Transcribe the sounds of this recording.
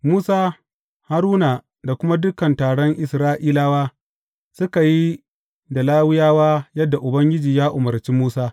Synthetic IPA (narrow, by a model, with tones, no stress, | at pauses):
muː˦saː˦ | ha˦ɾuː˦na˨ | da˨kʷʊ˦ma˦dʊ˦kɐ˨ntaː˨ɽɔ˦ŋʔɪ˨sɾaː˦ʔiː˦laː˦waː˦ | sʊ˦ka˨ji˦ | da˨laː˦wɪ˦jaː˦waː˦jɐ˦dːa˨ʔʊ˨bɐ˦ŋɡʲɪ˦d͡ʒiː˨jaː˦ʔʊ˨mɐ˨ɾt͡ʃiː˦muː˦saː˦